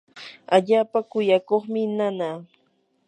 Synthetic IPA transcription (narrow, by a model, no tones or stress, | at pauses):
aʎaːpakʊjakoχmɪnanaː